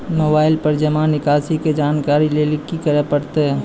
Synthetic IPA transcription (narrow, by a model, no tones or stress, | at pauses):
moːbaːɪlpɐɾd͡ʒɐmaːnɪkaːsiked͡ʒaːnkaːɾilelɪkːikɐɾepɐɽt̪eɦɛ